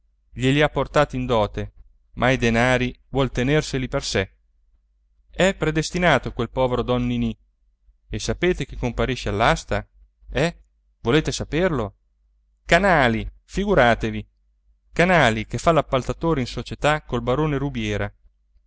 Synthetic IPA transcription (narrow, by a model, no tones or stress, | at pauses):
ʎeliapːort̪aːt̪ind̪ɔːt̪e | mʔaid̪enaːɾivwɔlt̪enerseliperse | ɛpːɾed̪est̪inaːt̪okwelpɔːveɾod̪ɔnːini | esapeːt̪ek̟ekːompaɾiʃːealːast̪a | ɛ | voleːt̪esaperlo | kanaːli | fiɡuɾaːt̪evi | kanaːlikefːalːapːalt̪at̪oːɾeinsot͡ʃet̪akːolbaɾoːneɾubjɛːɾa